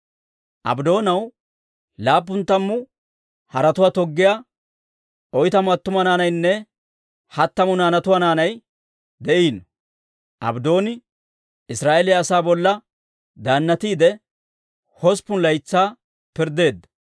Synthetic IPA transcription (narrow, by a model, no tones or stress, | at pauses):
ʔɐ̰bd̪o̞ːnɐw | laːp̬ːʊnt̪ːɐmːʊ | hɐɾɐt̪ʊwaːt̪ɔɡːɪjaː | ʔɔjt̪ɐmʊɐt̪ːʊmɐnaːnɐjnːɛ | hɐt̪ːɐmʊnaːnɐt̪ʊwaːnaːnɐj | d̪ɛʔiːnɔ | ʔɐ̰bd̪o̞ːnɪ | ɪsɾaːʔeːlɪjɐːsaːbɔlːɐ | d̪aːnːɐt̪iːd̪ɛ | hɔspːʊnlɐjt͡sːaː | pɪɾd̪e̞ːd̪ːɐ̥